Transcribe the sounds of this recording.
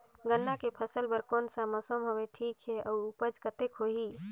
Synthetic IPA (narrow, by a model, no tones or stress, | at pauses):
ɡənːakepʰəsəlpəɾkonsaməsomɦoʋeʈʰikɦɛʔɔuupəd͡ʒkət̪ekɦoɦi